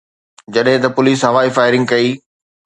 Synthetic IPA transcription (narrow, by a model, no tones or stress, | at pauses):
d͡ʑɐɗɦɪ̃t̪ɐpʊliːsɦɐʋaːifaːɪɾɪ̃ŋɡ̚kɐiː